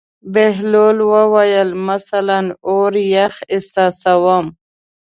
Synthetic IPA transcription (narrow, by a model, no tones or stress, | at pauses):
beɦloːlwəwajəlmasalanoɾjaxɪsasawəm